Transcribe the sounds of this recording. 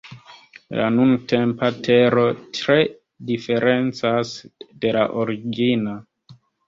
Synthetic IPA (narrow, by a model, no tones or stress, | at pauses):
la̰nunte̞mpatʰe̞ɾo̞tɾe̞ | dife̞ɾe̞nt͡sasde̞laʔoɾiɡina